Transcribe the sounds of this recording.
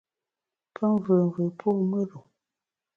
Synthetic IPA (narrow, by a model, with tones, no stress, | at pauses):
pʰə˦ɱvə˨və˨pʰo˦˨mə˦ɾo˨